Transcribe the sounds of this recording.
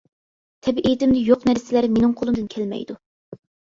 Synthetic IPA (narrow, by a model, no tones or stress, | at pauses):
t̪ʰɛbʔet̪ɪmd̪ɪjoqnæɾsɪlæɾmenɨŋqʰolˠumd̪ɨnkʲʰælmɛ̰jd̪u